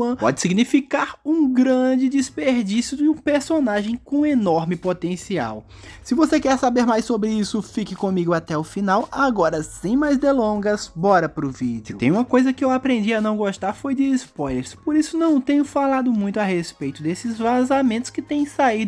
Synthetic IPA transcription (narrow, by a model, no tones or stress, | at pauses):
ɐ̃pɔ̰d͡ʒɪsiɡnifikaɾũɡɾɐ̃d͡ʒɪd͡ʒɪspeɾd͡ʒisjʊd͡ʒɪũpeɾsonaʒẽj̃kõenɔɾmɪpot̪ẽsia̰w | sɪvosekɛɾsabeɾmajsobɾɪisʊfikɪkõmiɡʊat̪ɛʊfinawaɡɔɾɐsẽj̃majzd̪elõɡɐsbɔɾɐpɾʊvid͡ʒɪʊɪt̪ḛ̃j̃ũmɐkojzɐkɪewapɾẽnd͡ʒianɐ̃w̃ɡoʃt̪aɾfojd͡ʒɪːspɔjleɾspoɾisʊnɐ̃w̃t̪ẽɲʊfalad̪ʊmũj̃t̪ʊahespejt̪ʊd̪esɪzvazamẽnt̪ʊ̥skɪt̪ẽj̃sai